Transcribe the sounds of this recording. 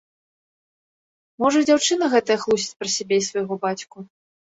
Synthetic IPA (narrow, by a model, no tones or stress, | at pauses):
mɔʐɐd͡zʲawt͡ʂɨnɐɣɛt̪ɐjɐxlˠusʲi̥t͡sʲpɾɐsʲabʲeisvɐjɣɔbat͡sʲku